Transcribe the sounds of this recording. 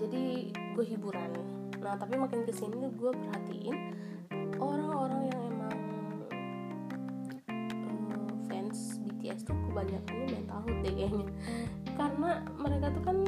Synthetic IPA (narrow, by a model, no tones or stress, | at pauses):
d͡ʒadi | ɡuaɦibuɾana | naht̪apimakɪnkəsinit̪uɡuapərɦat̪ḭʔɪ̰n | ʔoɾaŋoɾaŋjaŋemaŋ | əmfɛns | bit̪iɛ̰st̪ukəbaɲak̚duabaant̪aɦʊt̪̚deʔɛɲa | karəna | məɾekat̪ukan